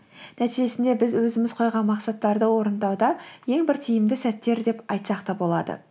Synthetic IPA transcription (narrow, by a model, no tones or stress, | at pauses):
næt̪iʒe̞sɪnd̪e̞bɪzwɵzɪmɪz̥qʰo̞jʁɑnmɑqsɑt̪ːɑɾd̪əwo̞ɾənd̪ɑwd̪ɑje̞ŋbɪɾt̪ʰijɪmd̪ɪsæt̪ːe̞ɾd̪e̞pɑjt̪sɑqt̪ɑbo̞lˠɑd̪ə̰